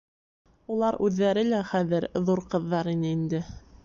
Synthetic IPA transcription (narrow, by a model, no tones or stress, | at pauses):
ulˠɑɾʉðːæɾɘlæχæðɘɾðuɾqɤ̆ðːɑɾinɘind̪ɘ